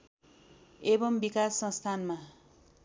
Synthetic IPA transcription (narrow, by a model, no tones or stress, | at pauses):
ebʌmbikasːʌ̃st̪ʰanma